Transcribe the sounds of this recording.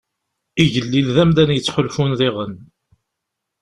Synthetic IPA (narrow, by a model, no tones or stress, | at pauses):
iʝəlːilðæmd̪ænjət͡sːħʊlfunðiʁən